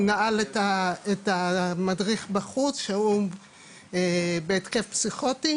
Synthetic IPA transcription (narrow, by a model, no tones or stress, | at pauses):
naaletaetamadʁiχbaχut͡sʃeu | ebeːtke̞fpsiχoti